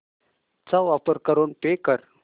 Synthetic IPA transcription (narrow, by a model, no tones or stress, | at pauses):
t͡saʋapəɾkəɾonpekəɾ